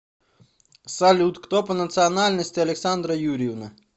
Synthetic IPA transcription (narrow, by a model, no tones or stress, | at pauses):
salʲut̪kt̪ɔpɐnɐt̪sɨɐnalʲnɐsʲtʲɪɐlʲɛksand̪ɾɐjuɾʲɪwnɐ